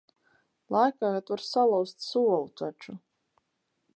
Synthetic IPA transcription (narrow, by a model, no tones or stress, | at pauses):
lˠajkaːɣat̪vaɾsalˠawst̪suɔlˠut̪at͡ʃʊ